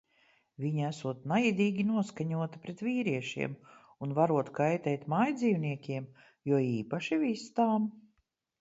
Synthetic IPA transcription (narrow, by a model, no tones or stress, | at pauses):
vʲiɲasuɔt̪najid̪iːɡʲinuɔskaɲuɔt̪pɾet̪viːɾiɛʃḭɛm | unvaɾuɔt̪kajt̪ɛːt̪majd̪ziːwniɛkʲiɛm | juɔiːpaʃivist̪aːm